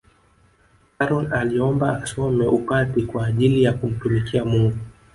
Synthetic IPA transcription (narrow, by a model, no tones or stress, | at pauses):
kaɾɔnaliɔmbaːsɔmɛʔupatikwaːʄilijakum̩tumikiamuŋɡu